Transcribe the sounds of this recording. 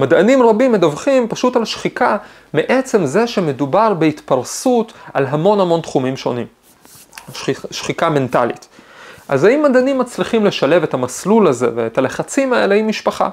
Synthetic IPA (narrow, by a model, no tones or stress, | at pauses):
madanimʁabimːedavχimpaʃutalʃχika | meʔe̞t͡se̞mze̞ʃeme̞dubaʁbe̞itpaʁsuta̰lɦamo̞nhamo̞ntχumimʃo̞̰nim | ʃχikame̞ntalḭtʔa̰zaimːadanimːat͡sliχimle̞ʃale̞ve̞tamaslulaze̞̰veetale̞χat͡simaeleimːiʃpaχa̰